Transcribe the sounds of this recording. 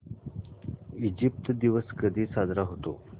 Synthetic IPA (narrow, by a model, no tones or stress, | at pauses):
id͡ʑip̚t̪d̪iʋəskəd̪ʱiːsad͡z̪ɾaɦot̪o̰